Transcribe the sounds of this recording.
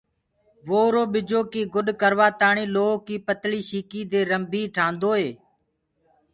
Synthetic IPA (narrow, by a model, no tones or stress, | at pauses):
ʋoːɾoːɓɪd͡ʒoːkiːɡʊɗkəɾʋaːt̪aːɳiːloːkiːpət̪liːʃiːkiːd̪eːɾəmbʱiːʈʰãːnd̪oːɦeː